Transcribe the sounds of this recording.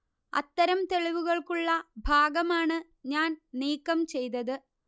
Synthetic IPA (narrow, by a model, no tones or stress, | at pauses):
ɐ̰t̪ːɐɾɐmt̪e̞ɭiʋuɣɐɭkuɭːɐbʱaːɡɐmaːɳɨ | ɲaːnniːkːɐmt͡ɕe̞jt̪ɐðɨ